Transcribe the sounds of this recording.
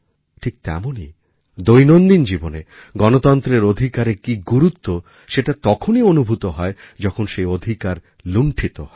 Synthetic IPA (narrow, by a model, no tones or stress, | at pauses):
ʈʰik̚t̪ɛ̰moni | d̪ojnond̪ind͡ʑiboneɡɔnot̪ɔnt̪ɾeɾod̪ʱikaɾekiɡuɾut̪ːo | ʃeʈat̪ɔkʰonionubʱut̪oɦɔe | d͡ʑɔkʰonʃeod̪ʱikaɾ | luɳʈʰit̪ohɔe